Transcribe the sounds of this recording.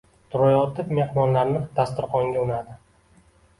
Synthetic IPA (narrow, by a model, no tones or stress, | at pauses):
t̪ʰʊɾɒjɒt̪ʰɪpme̞hmɒnlaɾnɪd̪̥ʰast̪ɪɾqʰɒŋɡʲaʊnad̪ɪ